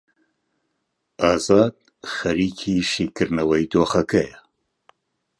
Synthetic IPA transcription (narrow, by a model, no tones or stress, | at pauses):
ɑːzɑːd̪̥̚ | xɐɾiːkʰiːʃiːkɨɾnɐwɐjd̪oːxɐkʰɐjɛ